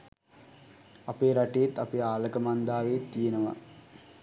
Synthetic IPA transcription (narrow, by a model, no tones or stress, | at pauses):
ɐpeːɾɐʈejet̪ːapeaːlɐkɐmand̪aːʋeːt̪ːijenɐʋa̰